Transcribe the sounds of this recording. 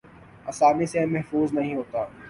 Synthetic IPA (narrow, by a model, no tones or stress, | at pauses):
ɐsaːnisemɛɦfuːznɐɦĩɦoːt̪aː